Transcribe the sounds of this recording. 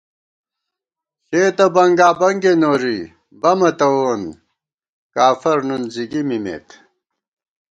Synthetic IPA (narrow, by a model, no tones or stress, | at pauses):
ɕeːt̪ɐbɐŋɡaːbɐŋɡenoːɾi | bɐmɐt̪ɐwoːn | kaːfɐɾnunziɡimimḛːt̪